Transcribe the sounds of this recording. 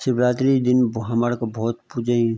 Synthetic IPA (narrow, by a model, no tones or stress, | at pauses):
sɪbɾaːt̪ɾid̪ɪnbɦaməɽkbɔːt̪pud͡ʒəĩ